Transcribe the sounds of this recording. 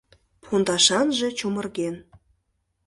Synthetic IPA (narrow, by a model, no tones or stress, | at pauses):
pʰund̪ɑʃɑnʒĕt͡ɕomərɣen